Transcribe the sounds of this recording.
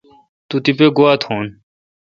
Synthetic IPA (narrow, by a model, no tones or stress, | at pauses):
t̪ut̪ipeɡoat̪hon